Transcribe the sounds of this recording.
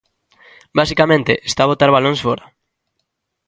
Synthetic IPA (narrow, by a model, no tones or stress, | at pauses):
basikamẽnt̪eʔest̪aːβot̪aɾβaloŋsfoɾa